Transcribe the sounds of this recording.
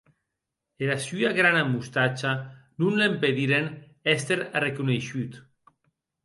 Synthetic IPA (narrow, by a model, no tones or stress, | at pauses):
eɾasyaɣɾanamːust̪at͡ʃanunlempeðiɾen | ɛst̪eɾrekuneʃyt̪